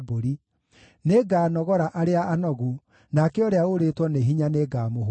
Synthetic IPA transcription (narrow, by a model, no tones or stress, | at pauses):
boɾi | neɡaːnɔɣɔɾaʔaɾeaanɔɣu | nakɛɔɾeaoɾetwɔneɦiɲaneɡaːmoɦ